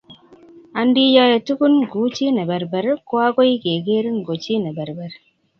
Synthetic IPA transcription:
a˨n˦di˦jɔ˦je˨tu˦ku˦nɡu˨˦t͡ʃi˦ne˨bɛ˨ɾbɛ˨ɾko˦a˦ko˦i˦ke˨ɡe˦ɾi˦ŋ˨ɡo˨t͡ʃi˦ne˨bɛ˨ɾbɛ˨ɾ

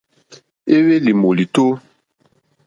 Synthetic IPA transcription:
e˦we˦li˨mo˨li˨to˦

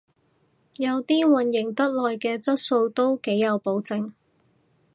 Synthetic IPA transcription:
jɐ˨˧wt̪iː˥wɐ˨˩njɪ˨˩ŋt̪ɐ˥t̚lɔː˨jkɛː˧t͡sɐ˥t̚so˧wt̪o˥wke˨˥jːɐ˨˧wpo˨˥wt͡sɪ˨˧ŋ

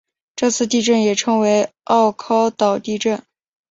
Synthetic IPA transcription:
ʈ͡ʂɤ˥˧t͡sʰɹ̩˥˧t̪i˥˧ʈ͡ʂə˥˩njɛ˨˩ʈ͡ʂʰɤ˥ŋwe˧˥ɪɑ˥˩ʊkʰɑ˥ʊt̪ɑ˨˩ʊt̪i˥˧ʈ͡ʂə˥˩n

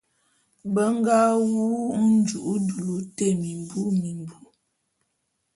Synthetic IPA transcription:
bə˦ŋ˦ɡa˦wuː˦n̩˦d͡ʒu˨ʔu˦du˨lu˨te˦˨mi˨m˨bu˦mi˨m˨bu˦

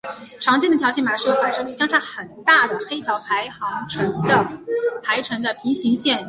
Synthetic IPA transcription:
ʈ͡ʂʰɑ˧˥ŋt͡ɕjɛ˥nd̪ə˩jɑ˧˥ɕɛ˥˩nma˨˩ʂɻ̩˥˩o˨˩wa˥˧ɪʂɤ˥ly˥˩ɕjɑ˥ŋʂʰa˥xə˨˩nt̪a˥˩d̪ə˩xe˥ɪt̪ʰjɑ˧˥ʊpʰa˧˥ɪxɑ˧˥ŋʈ͡ʂʰə˧˥nd̪ə˨˩pʰa˧˥ɪʈ͡ʂʰə˧˥nd̪ə˥˩pʰi˧˥ɕi˧˥ŋɕjɛ˥˩n

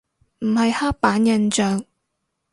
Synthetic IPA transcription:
m̩˨˩hɐ˨jhaː˥k̚paː˨˥njɐ˨˧nt͡ʃœː˨ŋ

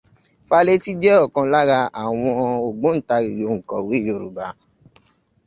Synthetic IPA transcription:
fa˦le˦ti˦d͡ʒɛ˦ɔ˦˨kɔ̃˧la˦ɾa˧a˨w̃ɔ̃˧o˨ɡ͡bõ˨˦n̩˦˨ta˧ɾi˨jo˨˦ŋ̩˨kɔ̰̃˨wi˨˦i˦˨jo˧˨ɾṵ˨ba˨˦

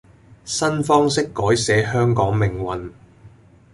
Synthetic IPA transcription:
sɐ˥nfɔː˥ŋsɪ˥kːɔː˨˥jsɛː˨˥ɦœː˥ŋkɔː˨˥ŋmɪ˨˩ŋwɐ˨n

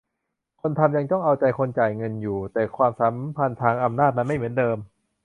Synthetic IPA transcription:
kʰo˧nt̪ʰa˧mja˧ŋt̪ɔ˥˩ŋʔa˧wt͡ɕa˧jkʰo˧nt͡ɕaː˨˩jŋɤ˧njuː˨˩t̪ɛː˨˩kʰwaː˧msa˨˦˥mpʰa˧nt̪ʰaː˧ŋʔa˧mnaː˥˩t̪̚ma˧nma˥˩jmɯ˩˦əndɤː˧m

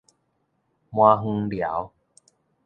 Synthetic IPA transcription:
mwãː˧ɦu˧˦lja˨˩˦w

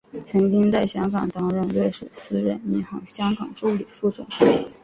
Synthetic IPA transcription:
t͡sʰɤ˧˥ŋt͡ɕi˥ŋt͡sa˥˩ɪɕjɑ˥ŋkɑ˨˩ŋt̪ɑ˥ŋɻə˥˧nɻwe˥˩ɪʂ̩˨˩sɹ̩˥ɻə˧˥ni˥˩xɑ˧˥ŋɕjɑ˥ŋkɑ˨˩ŋʈ͡ʂu˥˩li˨˩fu˥˩sʰwə̰˨˩˦n˥

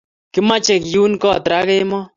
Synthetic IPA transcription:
kɪ˦ma˦t͡ʃɛ˨kju˦nkɔ˦˨tɾa˦kɛ˦mɔ˦

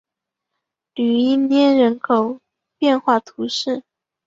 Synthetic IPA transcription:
ly˨˩i˥˩njɛ˥˩nɻə˧˥nkʰo˨˩ʊ | pjɛ˥˧nxwa˥˩t̪ʰu˧˥ʂɻ̩˥˩

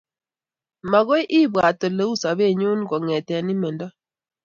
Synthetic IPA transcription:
ma˨ɣo˦jʔi˦bwa˨to˨le˦u˦sa˨βe˦˨ɲu˦nɡɔ˨ŋɛ˨tɛ˨ni˦mɛ˨nda˦

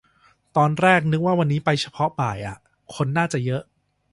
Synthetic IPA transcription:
t̪ɔː˧nɾɛː˥˩k̚nɯ˦˥k̚waː˥˩wa˧nːiː˦˥pa˧jt͡ɕʰa˧pʰɔ˦˥baː˨˩jʔa˨˩ | kʰo˧nːaː˥˩t͡ɕa˨˩jɤ˦˥ʔ

